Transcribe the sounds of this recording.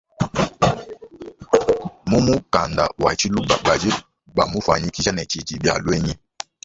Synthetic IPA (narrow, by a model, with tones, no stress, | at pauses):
mu˦mu˦ka˨nda̰˨wa̰˨t͡ʃi˦lu˦ba˨ba˨d͡ʒe˦ | ba˨mu˦fa̰˨ɲi˦ki˦za˦nɛ˨t͡ʃi˨ti˨bja̰˨lwɛ˦ɲɛ˦